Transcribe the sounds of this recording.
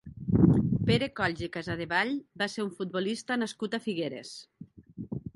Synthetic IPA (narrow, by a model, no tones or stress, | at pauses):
peɾekɔʎzekazað̞eβaʎbaseɾuɱfut̪̚bolist̪anaskut̪afiɣeɾes